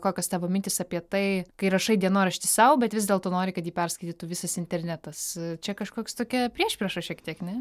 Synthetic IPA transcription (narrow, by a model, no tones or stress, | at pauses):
koːkʲɛst̪ʲæːʋoːmʲɪnʲt̪ʲɪsɐpʲiɛt̪ɐɪkɐɪɾɐʃɐɪdʲiɛnoːɾɐʃʲt̪ʲɪsɐʊbʲɛt̪ʋʲɪzdʲeɛlˠt̪oːnoːɾʲɪkɐt̪jiːpʲɛrskɐɪt̪ʲiːt̪ʊʋʲɪsɐsɪnʲt̪ʲɛrʲnʲæt̪ɐst͡ʃʲɛkɐʃkoːkst̪oːkʲɛpʲɾʲiɛʃʲpʲɾʲɛʃɐʃʲiɛkt̪ʲiɛknʲɛ